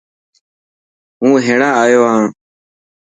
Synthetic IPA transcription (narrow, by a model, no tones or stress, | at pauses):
ɦũːɦẽːɳaːaːjoːɦãː